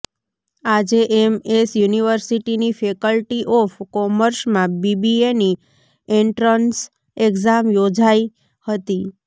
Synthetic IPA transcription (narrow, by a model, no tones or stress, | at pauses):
ad͡ʒeʔemesjuniʋəɾsiʈinifekəlʈiʔɔfkɔməɾʃmãbibieni | eɳʈɾəns | ekzamjod͡ʒaj | hət̪i